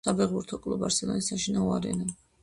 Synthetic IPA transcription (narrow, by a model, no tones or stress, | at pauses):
abɛʁuɾt̪ʰɔkʼlˠubaɾsɛlɔnisaʃinaɔaɾɛ̰na